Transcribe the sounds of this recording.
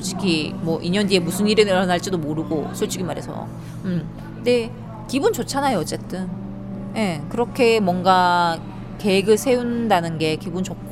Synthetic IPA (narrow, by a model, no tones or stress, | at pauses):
t͡ɕ͈i̥ɡimwʌʔiɲʌndiemusʰɯniɾɯɾanaɭt͡ɕ͈idomoɾɯɡosʰoɭt͡ɕ͈iɡimaɾɦe̞sʰʌ̰ | ɯm | de̞ | kibunt͡ɕot͡ɕʰanajoʌt͡ɕ͈e̞t͈ɯn | je̞kɯɾʌkʰe̞mwʌŋɡa | ke̞eɡɯɭsʰe̞undanɯnɡe̞kibunt͡ɕo